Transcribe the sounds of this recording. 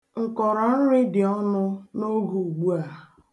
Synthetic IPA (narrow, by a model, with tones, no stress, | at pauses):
ŋ̩˨kɔ˨ɾɔ˨n̩˦ɾɪ˦dɪ˨ɔ˦nʊ˦no˦ɡu˨u˨ɡ͡bu˦a˨